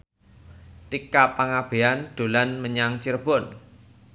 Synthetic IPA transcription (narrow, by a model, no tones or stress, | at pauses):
t̪ikapaŋab̥e̤and̪̥o̤lanməɲaŋt͡ʃirb̥ɔn